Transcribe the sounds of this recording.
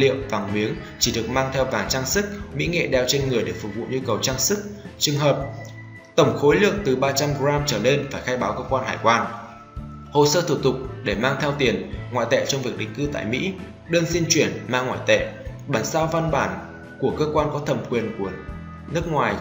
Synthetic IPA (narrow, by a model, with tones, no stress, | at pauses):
lḭ˧˨əwvaː˨˩ŋmi˨˦əŋ | t͡ɕi˧˩ɗɨ˨˩ək̚maː˧ŋt̪ʰɛ˧wvaː˨˩ŋt͡ɕaː˧ŋsɨ˦˥k̚mḭ˧˥ŋḛ˧˨ɗɛ˨˩wt͡ɕe˧nŋɨ˨˩əjɗe˧˩fʊ˨˩k̚vṵ˧˨ɲu˧kə˨˩wt͡ɕaː˧ŋsɨ˦˥k̚t͡ɕɨ˨˩əŋɦəː˨˩p̚ | t̪ə˧˩wŋ͡mxo˨˦jlɨ̰˧˨əŋt̪ɨ˨˩ɓaː˧t͡ɕa˧mɣzaː˧mt͡ɕəː˧˩ne˧nfaː˧˩jxaː˧jɓaː˨˦wkəː˧kwaː˧nɦaː˧˩jkwaː˧n | ho˧˨səː˧t̪ʰu˧˩t̪ʊ˨˩k͡p̚ɗe˧˩maː˧ŋt̪ʰɛ˧wt̪i˨˩ənŋwa̰˧˨jt̪ḛ˧˨t͡ɕɔ˧wŋ͡mvi˨˩ək̚ɗḭ̈˨˩ŋ̟kɨ˧t̪a̰ː˧˨jmḭ˧˥ | ɗəː˧nzi˧ənt͡ɕwi˧˩ənma̰ː˧˨ŋwa̰ː˧˨jt̪ḛ˧˨ɓaː˧˩nsaː˧wva˧nɓaː˧˩n | ku˧˩əkəː˧kwaː˧nkɔ˨˦t̪ʰə˨˩mkwi˨˩ənku˧˩ə | nɨ˦˥ək̚ŋwaː˨˩j